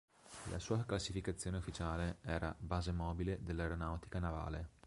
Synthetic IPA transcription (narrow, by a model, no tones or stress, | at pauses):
lʔa̰suːaklasifikat̪sːjoːneufːit͡ʃaːleɛːɾa̰baːzemɔːbiled̪elːaeɾonawt̪i̥kanava̰ːle